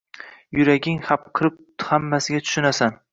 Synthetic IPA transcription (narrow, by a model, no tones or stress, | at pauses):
jʊɾaɡʲɪŋhap̚qʰɨɾɪp̚ | hamːasɪɡʲat̪ʰʊ̥ʃɪnasan